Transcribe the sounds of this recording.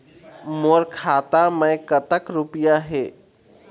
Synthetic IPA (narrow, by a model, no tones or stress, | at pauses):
moːɾkʰaːt̪amə̃jkət̪əkɾupijaɦeː